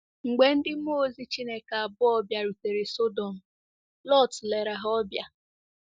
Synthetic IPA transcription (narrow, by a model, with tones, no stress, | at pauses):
ŋ͡m̩˨ɡ͡be˨n̩˦dɪ˦m̩˦o˦zi˦t͡ʃi˦ne˦ka˨a˨bʊ˦ɔ˦bja˨ɾu˨te˨ɾe˨so˦dɔ˨m̩˨ | lɔ˦˨tle˨ɾa˨ɦɔ˦bja˨